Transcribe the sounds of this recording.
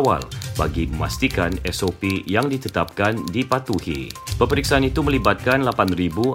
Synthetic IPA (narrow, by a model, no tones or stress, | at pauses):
wa̰lba̰ɡiməma̰st̪ikanɛsopijaŋdit̪ət̪ap̚kandipat̪uhḭpəpəɾiksaanit̪uməlibat̪̚kanlapanribu